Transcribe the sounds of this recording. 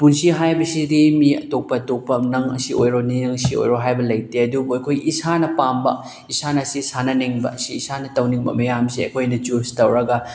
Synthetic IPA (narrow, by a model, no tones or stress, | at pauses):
punsiɦajbɐsidemiɐ̰tok̚pɐtok̚pɐnɐŋɐ̰siojɾoninɐŋsio̰jɾoɦajbɐlɐjteɐdubuɐkʰojisanɐpambɐ̰ | isanɐsisanɐniŋbɐ̰siːsanɐtɐwniŋbɐ̰mɐjamsiɐ̰kʰojnɐd͡ʒustɐwɾɐɡɐ